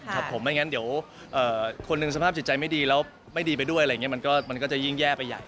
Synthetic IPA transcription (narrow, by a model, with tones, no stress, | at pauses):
kʰa˦˥pʰːo˩˦mːa˦˥˩ŋa˦˥ndi˩˦əw | ʔɤː˨˩kʰo˧nːɯ˧ŋsa˧pʰaː˥˩p̚t͡ɕi˨˩t͡ɕa˧jma˥˩jdiː˧lɛː˦˥w | ma˥˩jdiː˧pa˧jdu˥˩əjʔa˧jŋi˦˥ma˧nkɔː˥˩ma˧nkɔː˥˩t͡ɕa˨˩ji˥˩ŋjɛː˥˩pa˧jːa̰ː˨˩